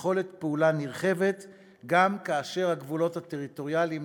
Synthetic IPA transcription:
χo̞let̪peulaniʁχe̞vet | ɡamkaːʃe̞ʁhaɡvulo̞that̪eʁito̞ʁjalim

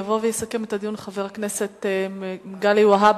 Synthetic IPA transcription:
avovejesake̞metad̪ijunχaveʁakneset̪ | ɡaliuaɦab

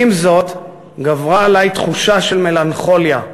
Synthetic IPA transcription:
imzo̞t̪ | ɡavʁaːlajt̪χuʃaʃe̞lme̞lanχo̞lja

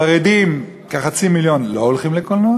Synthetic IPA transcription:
aʁed̪im | kaχat͡similjo̞nloːlχimlekolno

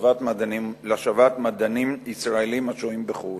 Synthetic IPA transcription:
vat̪madnimlaʃavat̪mad̪animisʁaelimat͡ʃoimbeχu

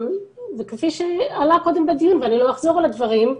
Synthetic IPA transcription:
mzekefiʃealako̞d̪embad̪ijunveanilo̞aχzo̞ʁalad̪vaʁim

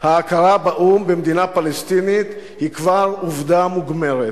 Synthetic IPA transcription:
haːkaʁabaʔumbemd̪inapalest̪init̪ | hikvaʁuvd̪amuɡme̞ʁet̪

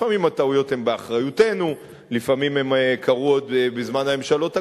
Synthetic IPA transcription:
amimhataujo̞the̞mbeaχʁajute̞nu | lifamime̞mkʰaʁuo̞d̪bezmanhame̞mʃalo̞ta

